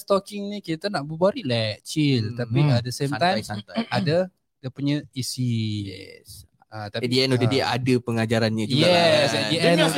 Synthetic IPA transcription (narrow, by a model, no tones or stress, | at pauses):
st̪ɔkɪŋnikit̪anaʔbəbaɾilɛt͡ʃilt̪apiat̪̚dəsẽmãjnada | d̪əpuɲəisiɛs | at̪aidiɛnodediɛadəpəŋad͡ʒaɾanɲad͡ʒujɡaɛsɛdiɛn